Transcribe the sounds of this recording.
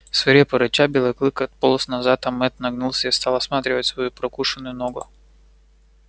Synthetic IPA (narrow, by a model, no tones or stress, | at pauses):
svɐɾʲepəɾɨt͡ɕabʲɪlˠəklˠɨkəɐt̪̚polˠəsnɐzat̪amːɛt̪nɐɡnulˠsʲəist̪alˠɐsmat̪ɾʲɪvətʲsvɐjupɾɐkuʂɨnʊjʊnoɡʊ